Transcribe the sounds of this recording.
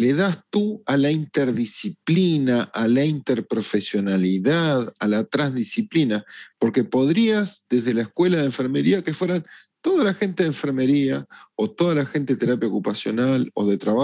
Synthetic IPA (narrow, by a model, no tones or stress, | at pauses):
leðast̪ualaint̪eɾðisiplinaʔalaint̪eɾpɾo̞fesjo̞naliðaðalat̪ɾanzðisiplinapo̞ɾkepo̞ðɾiazðe̞zðe̞laehkwe̞laðeɱfeɾmeɾiakefwe̞ɾan | t̪o̞ðalaxe̞nt̪e̞ðeɱfeɾme̞ɾiaot̪o̞ðalaxent̪e̞et̪eɾapjaokupasjo̞nalo̞̰ðe̞t̪ɾaβa